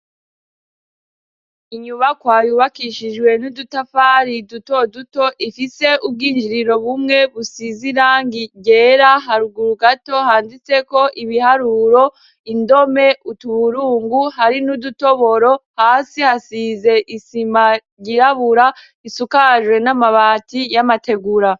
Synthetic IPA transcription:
iɲuβakwaːjuːβakiʃid͡ʒɡwe̞nudutafaɾiduto̞duto̞ʔifise̞ʔub̚ɡiːnd͡ʒiɾiɾo̞βumŋe̞βusiziɾaːŋɡiɟe̞ːɾaɦaɾuɡuɾuɡato̞haːndit͡se̞ko̞ʔiβihaɾuɾo̞ | indo̞me̞utuβuɾuːŋɡuhaɾinuduto̞βo̞ɾo̞haːsihasize̞ʔisima | ɟiɾaβuɾa | isukaʒwe̞namaβaːtijamate̞ɡuɾa

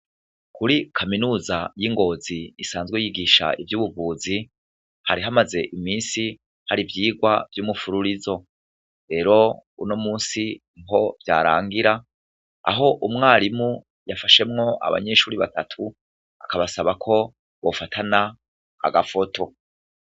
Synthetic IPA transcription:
kuɾikʰaminuːzajiŋɡo̞ːziːsaːnzɡwejiɡiʃa̰ʔivjuːβuvuːzi | haɾiɦamaze̞ʔimiːnsi | haɾivjiːɡwavjuːmufuɾuɾizo̞ | ɾe̞ːɾo̞ṵno̞muːnsiniɦo̞vja̰ːɾa̰ːŋɡiɾa | a̰ɦo̞ʔumŋaːɾimu | jafaʃe̞mŋo̞ʔa̰βa̰ɲe̞ʃuːɾiβatatʰu | akaβasaβakʰo̞ | βo̞fatʰana̰ː | ɡafo̞tʰo̞

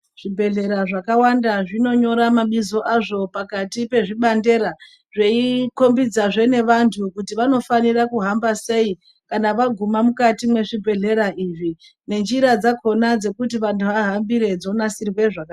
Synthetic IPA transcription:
ʐ̥ibʱe̞ɮe̞ɾaʐakawandaʐino̞ɲo̞ɾamaɓizo̞ʔaʐo̞pakatipe̞ʐiɓande̞ɾa | ʐeiko̞mbid͡zaʐe̞ne̞ʋantʰukutiʋano̞fanirakuɦambase̞i | kanaʋaɡʱumamukatimwe̞ʐibʱe̞ɮe̞ɾaʔiʐi | ne̞nd͡ʒiɾad͡zakʰo̞nad͡ze̞kut̬iʋantʰuʋaɦambiɾe̞d͡zo̞nasirwe̞ʐaka

